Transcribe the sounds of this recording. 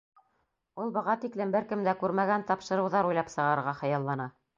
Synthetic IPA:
ulˠbɤ̆ʁɑt̪iklɘmbɘɾkɘmd̪ækʉɾmæɡænt̪ɑpʃɤ̆ɾɤ̆wðɑɾujlˠɑpsɤ̆ʁɑɤɾʁɑχɤ̆jɑlˠːɑnɑ

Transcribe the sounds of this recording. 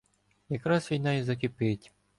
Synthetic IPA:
jɐkɾɑsʋʲijnɑjizɐkɪpɪtʲ

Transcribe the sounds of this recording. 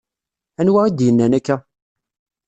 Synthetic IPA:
ænwæid̪jənːænækːæ

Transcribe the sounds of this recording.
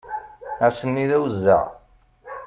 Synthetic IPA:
æsənːiðæwzːæ̰ʁ

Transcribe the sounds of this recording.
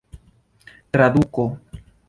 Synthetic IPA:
t̪ɾaðuko

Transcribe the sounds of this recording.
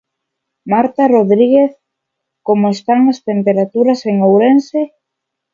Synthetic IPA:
maɾt̪aroðɾiɣeθ | komoest̪aŋast̪empeɾat̪uɾaseŋowɾense

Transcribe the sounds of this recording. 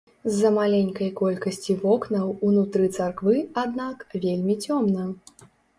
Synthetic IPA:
zːɐmalʲenʲkɐjkɔlʲkɐsʲt͡sʲivɔknɐwunut̪ɾɨt̪sarkvɨad̪nakvʲelʲmʲit͡sʲɔmnɐ

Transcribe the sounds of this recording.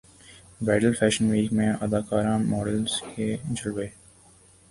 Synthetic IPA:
bɾɛːɖəlfɛːʃənʋiːkmẽʔɐd̪aːkaːɾãːmɔːɖəlz̥ked͡ʒəlʋeː

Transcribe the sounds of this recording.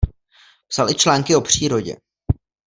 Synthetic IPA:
psalɪt͡ʃlaːŋkɪo̞pr̝̥iːɾo̞ɟɛ̰

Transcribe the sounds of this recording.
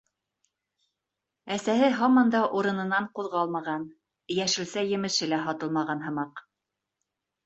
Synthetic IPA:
æsæhɘɦɑmɑnd̪ɑʔuɾɤ̆nɤ̆nɑɴquðʁɑlˠmɑʁɑn | jæʃɘ̆lsæjɘ̆mɘ̆ʃɘ̆læɦɑt̪ɤlˠmɑʁɑnɦɤ̆mɑq

